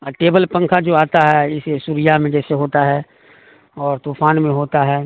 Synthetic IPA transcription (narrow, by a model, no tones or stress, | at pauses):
əʈeːbəlpə̃ŋkʰad͡ʒoːaːt̪aɦɛɪsesuːɾɪjamẽd͡ʒɛːseɦoːt̪aɦɛː | ɔːɾt̪uːfaːnmẽɦoːt̪aɦɛː